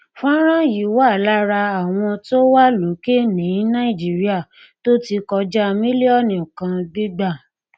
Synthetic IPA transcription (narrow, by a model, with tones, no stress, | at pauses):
fã˦ɾ̃ã˦ji˨˦˨wa˦˨la˦ɾa˧a˨w̃ɔ̃˧to˦wa˦lo˨˦ke˦nĩ˨˦nã˦ĩ˨d͡ʒi˨˦ɾi˦a˦˨ | to˦ti˧kɔ˧d͡ʒa˦mĩ˦li˦ɔ˦˨nĩ˨kã˧bi˦ɡ͡ba˦˨